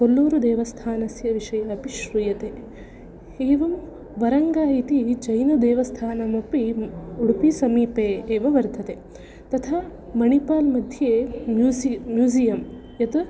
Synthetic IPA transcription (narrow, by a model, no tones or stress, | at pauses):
kolːoːɾud̪eːʋɐst̪ʰaːnɐsjɐʋiʂɐjɐːpiʃɾujɐt̪eː | eːʋɐm | ʋɐɾɐŋɡaːit̪id͡ʒɐjnɐd̪eːʋɐst̪ʰaːnɐmopːiuɽupisɐmiːpeːʋɐʋɐɾd̪ʱɐt̪e | t̪ɐt̪ʰaː | mɐɳipaːlmɐd̪ʱjeːmumːjuːzijɐm | jɐt̪u